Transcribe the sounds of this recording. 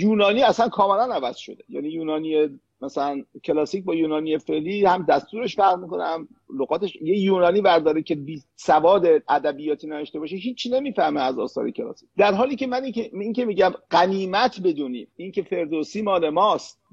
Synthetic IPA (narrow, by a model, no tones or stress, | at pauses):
juːnɒːniːæsænkʰɒːmelænævæz̥ʃo̞̰d̪e̥jæ̰ːnijuːnɒːnije | mæsælæncʰe̞lɒːsiːc̚bɒːjuːnɒːnijefeʔliːhæmd̪æst̪uːɾe̞ʃfæɾʁmiːkonḛm | loɣɒːt̪eʃjejuːnɒːniːvæɾd̪ɒːɾekʰebiːsævɒːd̪eʔæd̪æbijɒːt̪ʰiːneveʃt̪e̞bɒːʃeɦiːt͡ʃʰːine̞miːfæhmeæzɒ̰ːsɒ̰ːɾecʰelɒ̰ːsi̥c̚ʲd̪æɾɦɒːliːcʰemænieince̞miːɟæmɢæniːmæt̪ʰbe̞d̪uːnḭːmincʰefe̞ɾd̪osiːmɒːle̞mɒːst̪̚